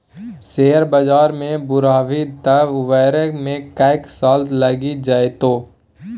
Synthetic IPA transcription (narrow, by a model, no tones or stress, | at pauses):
seːəɾbad͡ʒaːɾmẽbʊɾaːʋit̪əʋʋɛːɾəkmẽkaːɪksaːlt̪lɐɡid͡ʒaːet̪oː